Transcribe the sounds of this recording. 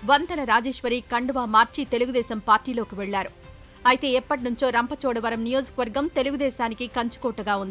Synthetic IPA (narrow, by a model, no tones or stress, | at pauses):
ʋɐnt̪ɐlɐɾaːd͡ʒeːʃʋɐɾiːkɐɳɖɐʋaːmaːɾt͡ʃit̪e̞luɡud̪ɛːsɐmpaːɾʈiːlo̞ːkiʋɛɭːaːɾu | ɐjt̪e̞ːɛpːɐʈinuɲt͡ʃo̞ːɾɐmpɐt͡ʃɔːɽɐʋɐɾɐmnijo̞ːd͡ʒɐkɐʋɐɾɡɐmt̪e̞luɡud̪ɛːʃaːnikikɐɲt͡ʃu̥kɔːʈːɐɡaːund̪ii